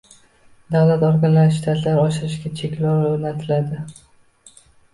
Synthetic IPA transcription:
d̪awlat̪oɾɡanlaɾʃt̪ʰat̪ʰlaɾɒʃɪɾɪʃɡʲat͡ʃʰekʲlɒwoɾnat̪ʰɪlad̪ɪ

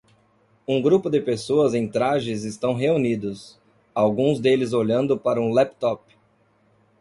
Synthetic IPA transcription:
ũɡɾupʊd̪ɪpesoɐzẽj̃t̪ɾaʒɪzɪst̪ɐ̃w̃ɦeunid̪ɐs | awɡũzd̪elɪzoʎɐ̃nd̪ʊpaɾɐũlɛpt̪ɔp

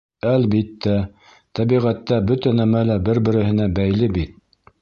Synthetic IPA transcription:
ælbit̪ːæ | t̪æbiʁæt̪ːæbɵt̪ænæmælæbɘɾbɘ̆ɾɘ̆hɘ̆næbæjlɘbit̪̚

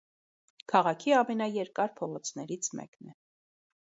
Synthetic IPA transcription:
kʰɑʁɑkʰiɑmɛnɑjɛɾkɑɾpʰɔʁɔt͡sʰnɛɾit͡sʰmɛ̰knɛ

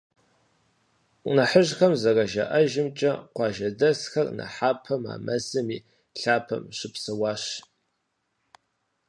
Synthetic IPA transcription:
nɐħəʑxɐmzɐrɐʒɐ̰ʔɐʒɪmt͡ʃʼɐqʷɑːʒɐdɐsxɐrnɐ̰ħaːpʰɐma̰ːmɐsɨmiː | ɬaːpʰɐ̰mɕɪpsɨwɑːɕ

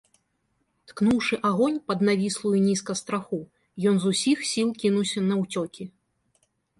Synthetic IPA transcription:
t̪knuwʂɨʔaɣɔnʲpɐd̪navʲislˠujunʲiskɐst̪ɾaxu | jɔnzusʲixsʲilˠkʲinuwsʲɐnɐwt͡sʲɔkʲi

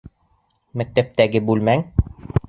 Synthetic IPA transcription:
mæk̚t̪æp̚t̪æɡɘbʉlmæŋ

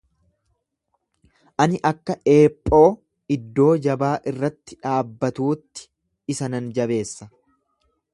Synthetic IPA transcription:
ʔɐnɪʔɐkːɐʔe̞ːpʼːo̞ː | ɪd̪ːo̞ːd͡ʒɐbaːʔɪrːɐt̪ːɪᶑaːbːɐt̪uːt̪ːɪ̥ | ɪsɐnɐnd͡ʒɐbe̞ːsːɐ

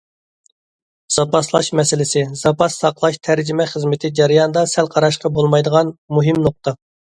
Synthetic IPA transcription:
z̥ɑpʰɑslˠɑʃmɛsɪlɪsɪz̥ɑpʰɑsːɑqlˠɑʃt̪ʰæɾd͡ʒɪmɛχəzmɪt̪ʰɪd͡ʒɛɾijɑnəd̪ɑsɛlqʰɑɾɑʃqɑbolˠmɑjd̪əʁɑnmuɦɪmnoq̚t̪ɑ

